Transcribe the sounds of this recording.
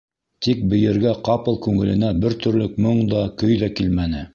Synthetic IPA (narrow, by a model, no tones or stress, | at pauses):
t̪ik̚bɘ̆jɘ̆ɾɡæqɑpɤlˠkʉŋɘ̆lɘ̆næbɘɾt̪ɵ̆ɾlɵk̚mɤɴd̪ɑkɵjðɑkilmænɘ